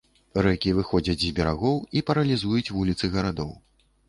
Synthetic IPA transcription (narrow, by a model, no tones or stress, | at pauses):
ɾɛkʲivɨxɔd͡zʲɐt͡sʲzʲbʲɛɾaɣɔwipɐɾɐlʲizujut͡sʲvulʲit̪sɨɣɐɾad̪ɔw